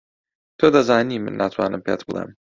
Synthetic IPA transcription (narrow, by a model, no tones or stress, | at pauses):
t̪ʰoːd̪ɐzaːniːmɨ̰nːʔaːt̪ʰwa̰ːnɨmpʰḛt̪bɨlˠḛm